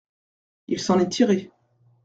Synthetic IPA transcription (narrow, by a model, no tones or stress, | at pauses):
ilsɑ̃nɛt̪ʰiʁe